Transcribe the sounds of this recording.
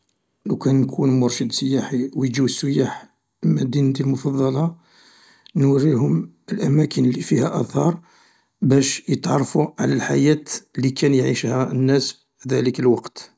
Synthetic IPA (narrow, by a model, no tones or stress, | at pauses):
lækænːkʰunmʊɾˤʃəd̪səjːaħiwjd͡ʒiwəsːəjaħ | əmːæd̪ind̪ilmʊfɑðˤːɑlɑ | nwərihʊm | əlʔæmækənlːifihæʔæθɑɾˤ | bæʃjət̪ʕɑɾˤːfuʕalælħa̰jæt̪likænjʕiʃhænːæs | id̪æləkəlwɑqt̪